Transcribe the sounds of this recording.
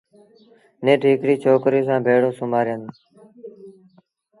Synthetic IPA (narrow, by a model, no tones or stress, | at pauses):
nẽːʈʰiːkɾiːt͡ʃʰoːkɾiːsãːbʱeːɽõːsʊmaːɾjən